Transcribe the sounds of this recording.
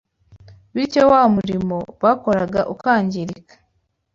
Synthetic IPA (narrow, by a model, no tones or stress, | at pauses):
βiɾcowaːmuɾimo̞βaːko̞ɾaɡaʔukaːɲɟiɾikḁ